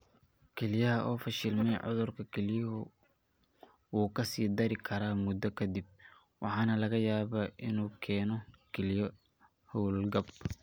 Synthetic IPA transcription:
kʰɛlɪjɐɦɐʔɔːfɐʃɪlmɛjʕʊ̰ðʊrkʰɐkʰɛljɐɦʊ | uːkʰɐsiːd̪ɐɾɪkʰɐɾaːmʊd̪ɔkʰɐd̪ib̚ | wɑħɑːnɐlɐɣɐjaːβaːʔɪnuːkʰɛːnɔkʰɛljɔ | hɔwllɡɐb

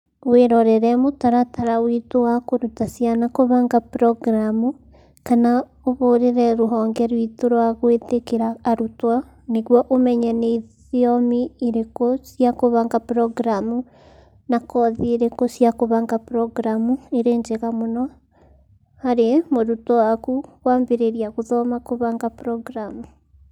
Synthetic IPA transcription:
weɾɔɾɛɾɛmotaɾataɾawitowakoɾutasianakoβaŋɡapɾɔɡɾamu | kana | oβoɾeɾɛɾoɦɔːŋɡɛɾwitoɾwaɣwetekeɾaːɾutwa | neɣwɔʔomɛɲɛneið | iɔmiːɾekosiakoβaŋɡapɾɔɡɾamu | nakɔðieɾekɔsjakoβaŋɡapɾɔɡɾamueɾeːɲd͡ʒeɣamonɔ | haɾemoɾutɔwakuɣwaːmbeɾeɾiaɣoðɔmakoβaːŋɡapɾɔɡɾamu

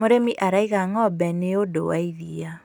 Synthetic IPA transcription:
oɾemiʔaɾaiɣaŋɔbɛneodo̰waiðia

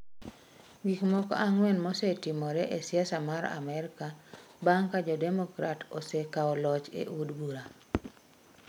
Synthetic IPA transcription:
ɡikmɔkɔ̰ʔaŋwɛnmɔsetɪmɔɾɛʔesjasamaɾa̰mɛɾka | baŋkad͡ʒɔdɛmɔkɾatosɛkaɔlɔt͡ʃḛʔudbuɾa

